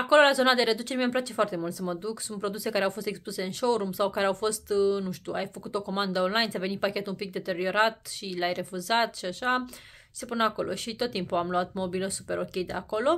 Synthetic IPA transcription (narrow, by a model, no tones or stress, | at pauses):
ako̞lo̞lazo̞nad̪e̞ɾe̞d̪ut͡ʃe̞ɾmiəmplat͡ʃe̞foart̪e̞mult̪səməd̪uksunt̪pːɾo̞d̪use̞kaɾeawfo̞st̪e̞kspluse̞ɨnʃowɾumsawkaɾeawfo̞st̪nuʃt̪ʲuajfəkut̪o̞ko̞mand̪əonlajnsʲjave̞nit̪̚pakʲe̞t̪umpik̚d̪e̞t̪e̞ɾio̞ɾat̪ʃilajre̞fuzat̪ʃiaʃḁ | sepunako̞lʔo̞̰ʃit̪o̞t̪ːimpuamluat̪mo̞biləsupe̞ɾo̞kʲe̞jd̪eako̞lo̞